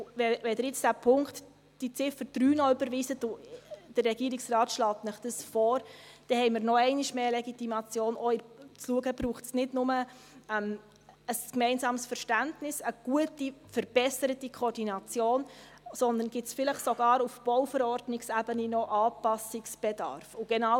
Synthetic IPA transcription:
ʋɛʋɛd̪ɾɪt͡sd̥æpʰʊŋkt | d̥it͡sɪfəɾd̥ɾyːnɔʏbəɾʋiːzətʊd̥ərːɛɡiəɾiksrɑːtʃlɑːtnəχd̥əsfɔːɾd̥ɛhɛɪmɪɾnɔɛɪniʃmeːlɛɡitimɑt͡sjoːnɔɪt͡sluəɡəbɾuːχtsnɪdnʊmə | ɛm | əskmɛɪnzɑːmsfəɾʃtæntnɪsəɡ̥uətifəɾb̥ɛsəɾətikʰoɔːɾdinɑt͡sjoːn | sɔnd̪ənɡ̥ɪtsfɪləχsoɡ̥ɑːɾufb̥ɔwfəɾɔɾdnɪksæːbəninɔʔɑːpɑsiksb̥edɑ̰ɾfʊɡ̥ɛnɑ

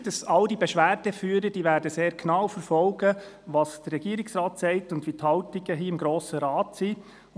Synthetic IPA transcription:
d̥ɑsɑldibɛʃʋæːɾd̥ɛfyːɾəd̥iːʋæːɾdəseːɾknɑwfəɾfɔlɡə | ʋɑsd̥ərːɛɡ̥iːɾɪksrɑːtsɛɪtʊndʋithɑltiɡəɦiːɪmɡɾoːsəɾɑːtsi

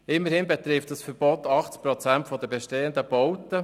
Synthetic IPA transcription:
ɪmːəɾhɪnbɛt̪ɾɪft̚d̥ɑsfəɾb̥ɔt̪ɑχt͡spɾɔt͡sæntfɔd̪əbɛʃteːənd̪əb̥ɔwtə

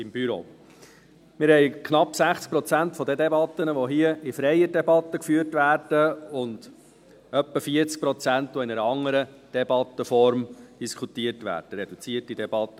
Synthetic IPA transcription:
ɪmb̥yɾo̰ː | mɪɾhɛɪkʰnɑpːsæχt͡sk̚pɾɔt͡sæntfɔd̪ɛd̪ɛbɑt̪ːənəʋɔɦiəʔɪfɾɛjədɛbɑt̪ːəkfyːəɾtvæːrd̥əʊnd̥ | œpːəfiət͡sk̚pɾɔt͡sæntʋɔɪnɛɾəɑŋːəɾə | d̥ɛbɑt̪ːəfɔɾmd̥iskʰut̪iətvʋæ̰ːɾd̥əɾɛd̥̪ut͡siətidɛb̥ɑt̪ːə

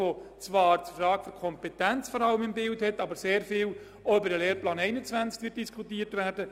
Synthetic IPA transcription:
ʋot͡sʋɑːɾt͡sfɾɑːɡ̥fyɾkʰɔmpɛtɛnt͡sfɔɾɑləmɪmbɪlthɛtːɑːbəɾseːɾfɪːl | oʏbəɾdəleːɾplɑːnɛɪnət͡svænt͡skʋɪt̚d̥iskʰutiːəɾtʋæːɾdə

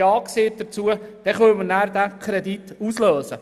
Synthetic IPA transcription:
ɑːkseːt̚d̪əɾt͡suəd̥ɛχœwmənæːɾd̪ækʰɾɛd̪itusløːsə

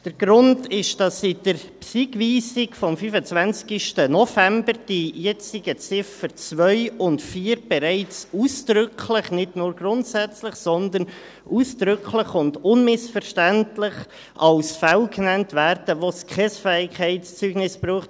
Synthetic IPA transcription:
d̥əɾɡ̥ɾʊndɪʃd̥ɑsid̥əɾpsiɡʋiːsɪɡfɔmfyːfət͡svænt͡skɪʃtənɔfɛmbəɾd̥ijɛt͡siɡət͡sɪfəɾt͡svœʏʊntfiːɾb̥ɛɾæɪt͡suːsd̥ɾʏkʰləχnɪdnʊːɾɡ̥rʊntsæt͡slɪχsɔnd̪ən | ʔuːsd̥ɾʏkʰlɪχʊndʊnmɪsfəɾʃtæntlɪχ | ʔɑlsfɛlknɛntvæːɾd̥əʋoskʰɛsfɛɪkʰɛɪtst͡syːɡ̥nɪsb̥ɾuːχt

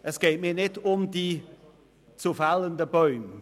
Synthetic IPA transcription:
ʔəsɡ̥ɛɪtmiːɐnɪdʊmdiː | t͡sufaləndəbɔʏm

